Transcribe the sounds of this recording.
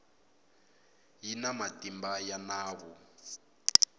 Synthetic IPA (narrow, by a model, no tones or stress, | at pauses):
jinamatimbajanaːβu